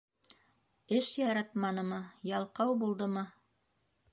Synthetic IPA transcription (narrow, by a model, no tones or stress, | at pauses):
ɘʃjɑɾɑt̪mɑnɤ̆mɤjɑlˠqɑwbulˠd̪ɤmɤ